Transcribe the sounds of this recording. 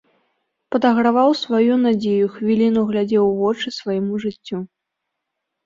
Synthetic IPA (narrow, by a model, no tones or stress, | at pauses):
pɐd̪ɐɣɾavawsvajunad͡zʲejuxvʲilʲinuɣlʲad͡zʲɛwvɔt͡ʂɨsvajɛmuʐɨt͡sʲːu